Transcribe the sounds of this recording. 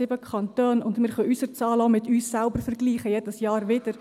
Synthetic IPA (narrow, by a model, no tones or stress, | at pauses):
ɪbəkʰɑntøːnʊndmɪːɾχœʔysəɾt͡sɑːloʊmɪtyːsːælbəɾfəɾɡliːχəjɛdəsjɑːɾʋɪd̥əɾ